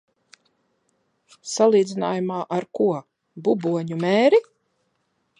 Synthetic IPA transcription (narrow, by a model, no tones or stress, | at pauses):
salˠiːd̪zina̰ːjumaːʔaɾkuɔ | bubuɔɲumɛːɾi